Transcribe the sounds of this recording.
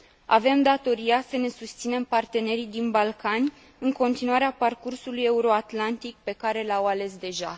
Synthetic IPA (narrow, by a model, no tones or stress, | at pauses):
a̰ve̞md̪at̪o̞ɾijasəne̞sust̪sine̞mpart̪e̞ne̞ɾid̪inbalkanʲ | ɨŋko̞nt̪inuaɾeaparkursuluje̞uɾo̞at̪lant̪ik̚pe̞kaɾe̞lawale̞sd̪e̞ʒa